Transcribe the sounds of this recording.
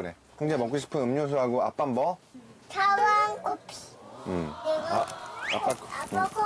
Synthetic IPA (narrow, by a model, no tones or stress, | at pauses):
ne | kʰɯŋd͡ʑemʌk͈uɕ̬ʰi̥pʰɯnɯmɲos̬ʰoɦaɡoap͈ambʌtawaŋopʰi̥ɯm | ap͈ak